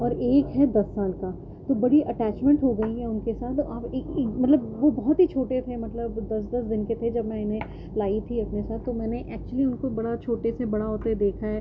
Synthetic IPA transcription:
ɔːɾeːkɦɛd̪ɐsːaːlka | t̪obɐɽiʔɐʈɛːt͡ʃmɛ̃ɳʈɦoɡɐiɦɛʊnkesaːt̪ʰaːpeːkeːmɐt̪ləbʋobɔɦɔt̪ɦit͡ʃʰoːʈet̪ʰemɐt̪ləbd̪ɐsd̪ɐsd̪ɪnket̪ʰed͡ʒɐbmɛ̃ɪnɦẽ | laːit̪ʰiɐpnesaːt̪ːomɛːneʔɛːk̚t͡ʃəliʊnkobɐɽat͡ʃʰoːʈesebɐɽaɦoːt̪ed̪eːkʰaɦɛː

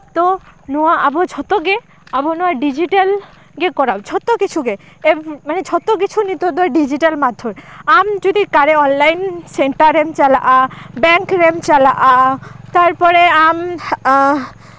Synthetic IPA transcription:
t̪onoaʔabod͡ʑʰʱɔt̪oɡe | abonoaɾɖid͡ʑiʈal | ɡekɔɾawd͡ʑʰʱɔt̪okit͡ɕʰuɡe | emaned͡ʑʰʱɔt̪ok̬it͡ɕʰunit̪od̪oaɾɖid͡ʑiʈalmad̪ʱːoɾamd͡ʑod̪ikaɾeɔnlajnseɳʈaɾɾemt͡ɕalaʔabɛŋkɾemt͡ɕalaʔat̪aɾpɔɾeam

